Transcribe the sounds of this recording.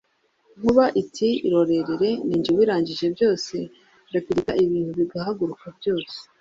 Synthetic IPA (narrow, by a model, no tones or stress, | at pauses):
ŋ̥uβaʔitʰiiɾo̞ɾe̞ɾeɾe̞niːɲd͡ʒiwiːɾaːɲɟiʒe̞bjo̞ːse̞ | ɡapiɾikaiβiːn̥huβiɡahaɡuɾukabjo̞ːse̥